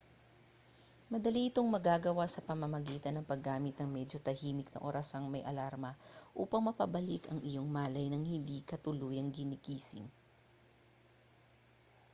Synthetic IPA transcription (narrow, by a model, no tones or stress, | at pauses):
mɐd̪ɐliʔɪt̪o̞ŋmɐɡaɡɐwasɐpɐmɐmɐɡiːt̪ɐnːɐŋpɐɡːaːmɪt̪̚nɐŋmɛd͡ʒo̞t̪ɐhiːmɪk̚nɐ̰ʔoːɾʔɐsɐŋmɐjʔɐ̰laɾmɐʔṵːpɐŋmɐpɐbɐlɪkɐŋɪjo̞ŋmaːlɐjnɐŋhɪnd̪ikɐt̪ʊluːjɐŋɡɪnɪkiːsɪ̰ŋ